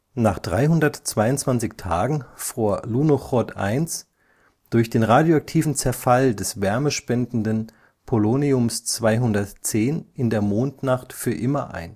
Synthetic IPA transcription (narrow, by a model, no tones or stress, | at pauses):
naːχd̥ʁaɪɦʊndɐtt͡sv̥aɪʊntt͡sv̥ant͡sɪçtʰaːɡŋ̩fʁuːɐlunoχɔtʔa̰ɪns | d̥ʊɐçd̥eːnʁaːdjoak̚tʰiːvn̩t͡sɛɐfaldɛsv̥ɛɐməʃpɛndn̩dən | pʰoloniʊmst͡sv̥aɪɦʊndɐtt͡seːnɪndeːɐmoːntnaχtfyːɐʔɪmɐʔa̰ɪn